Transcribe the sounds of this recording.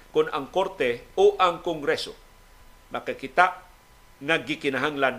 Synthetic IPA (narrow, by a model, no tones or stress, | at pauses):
kʊnaŋkoɾt̪ɛoʔaŋkʊŋɡɾɛso̰ | makakɪt̪aʔ | ŋaɡɪkɪnaɦaŋlan